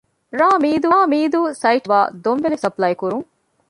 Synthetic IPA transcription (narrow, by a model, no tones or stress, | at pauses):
ɾaːmiːd̪uaːmiːd̪uːsɐjʈʋaːd̪omʋelesɐplɐjkuɾuŋ